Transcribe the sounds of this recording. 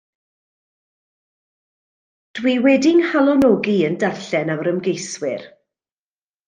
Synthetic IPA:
d̥wiwɛdɪŋhalˠɔnɔɡiəndarɬɛnawɾəmɡejswɪ̰r

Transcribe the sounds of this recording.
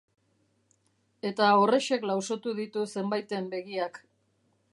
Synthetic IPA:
e̞t̪aore̞ʃe̞klawso̞t̪uðit̪use̞mbajt̪e̞mbe̞ɣiak

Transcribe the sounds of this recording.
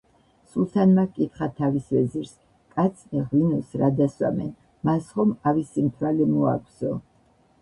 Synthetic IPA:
sulˠt̪ʰanmakʼit̪χat̪ʰavisvɛziɾs | kʼat̪sʰnɛʁwinusɾad̪aswa̰mɛ̰n | masχɔmavisimt̪ʰwalɛmua̰kʰʼzɔ

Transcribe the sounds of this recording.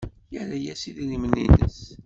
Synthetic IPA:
jəlæjæsiðilimənḭnə̰s

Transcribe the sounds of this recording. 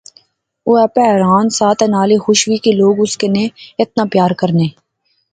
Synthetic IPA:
oːɛpɛːɦɾaːnsaːt̪ɛnaːlexʊʃwikeloːɡʊskeneɪt̪̚naːpjaːɾkəɾneː

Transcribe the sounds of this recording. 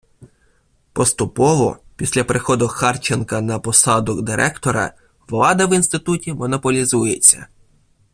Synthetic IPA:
pɔst̪ʊpɔʋɔ̰pʲisʲlʲɐpɾexɔd̪ʊxɑrt͡ʃenkɐnɐpɔsɑd̪ɔɡd̪ɪɾʔɛkt̪ɔɾɐ̰ | ʋlˠɑd̪ɐʋinst̪ɪt̪utʲimɔnɔpɔlʲizujet͡sʲːɐ̰

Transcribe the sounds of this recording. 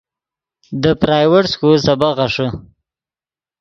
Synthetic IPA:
d̪əpɾɑjwəʈskulsabaʁaʂə

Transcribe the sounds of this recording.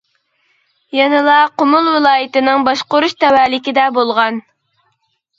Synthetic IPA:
jɛnɨlˠɑqomʊlˠwɪlˠɑːjɪt̪ɪnɨŋbɑʃqoɾuʃt̪ɛwæːlɪkʲid̪ɛbolˠʁɑn

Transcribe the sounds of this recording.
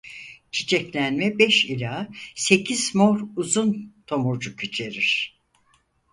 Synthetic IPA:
t͡ʃʰi̥t͡ʃʰɛclʲænmɛbɛʃilʲase̞cʰiz̥moɾuzunt̪ʰo̞muɾd͡ʒukʰyt͡ʃʰe̞ɾiɾ̥

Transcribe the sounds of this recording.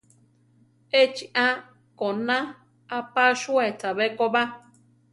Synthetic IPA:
et͡ʃiʔã | konã | apaʃuetaβekoba

